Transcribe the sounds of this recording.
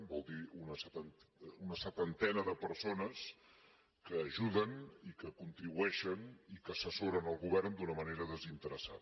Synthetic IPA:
bɔlˠd̪iunəsət̪ənunəsət̪ənt̪ɛnəðəpəɾsonəs | kəːʒuðənikəkunt̪ɾiβuɛʃənikəːsəsoɾənəlˠɣuβɛrnd̪unəməneɾəðəzint̪əɾəsa̰ðə

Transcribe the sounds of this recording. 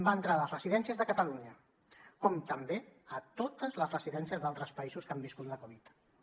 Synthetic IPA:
baənt̪ɾaləzrəziðɛnsiəzðəkət̪əluɲə | kɔmt̪əmbeət̪ot̪əzləzrəziðɛnsiəzðalˠt̪ɾəspəizuskambiskut̪ləkuβit̪

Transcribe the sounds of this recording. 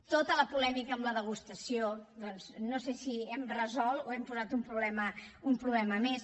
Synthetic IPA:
t̪ot̪ələpulɛmikəːmləðəɣ̞ust̪əsiod̪ɔnznosesiɛmrəzɔlˠt̪oɛmpuzat̪umpɾuβlɛməumpɾuβlɛməmes

